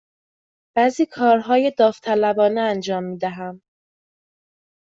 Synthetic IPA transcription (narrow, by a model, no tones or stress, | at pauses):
b̥æːziːkʰɒːɾɦɒːje̞d̪ɒːft̪ʰælæbɒːneænd͡ʒɒːmːiːd̪æɦæm